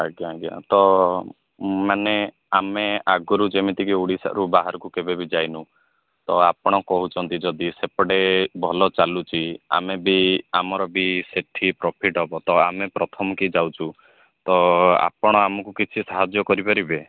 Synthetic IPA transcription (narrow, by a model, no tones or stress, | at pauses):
aɡjaɡja̰t̪ɔ | mane | ameaɡɔɾud͡ʒemit̪ikiuɽisa̰ʔɾubaɦaɾɔkukebebid͡ʒajnu | t̪ɔapɔɽ̃ɔkɔɦut͡ʃʰɔnt̪id͡ʒɔd̪isepɔɽebʱɔlɔt͡ʃalut͡ʃʰia̰mebiamɔɾɔbiseʈʰipɾɔpʰiʈɦɔbɔt̪ɔamepɾɔt̪ʰɔmɔkid͡ʒawt͡ʃʰu | t̪ɔa̰pɔɽ̃ɔamɔkukit͡ʃʰisaɦad͡ʒjɔkɔɾipɔɾibe